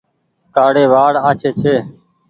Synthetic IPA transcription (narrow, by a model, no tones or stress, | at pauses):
kaːɽeːʋaːɽaːt͡ʃʰeːt͡ʃʰeː